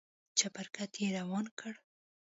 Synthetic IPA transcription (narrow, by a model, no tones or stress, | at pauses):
t͡ʃapaɾkat̪jeɾawɑnkʰəɽ